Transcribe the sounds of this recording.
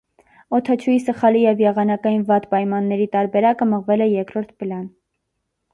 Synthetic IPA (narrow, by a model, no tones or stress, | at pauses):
ɔt̪ʰɑt͡ʃʰujisəχɑlijɛvjɛʁɑnɑkɑjinvɑt̪pɑjmɑnːɛɾit̪ɑɾbɛɾɑkəməʁvɛlɛjɛɾkɾɔɾt̪ʰpəlɑn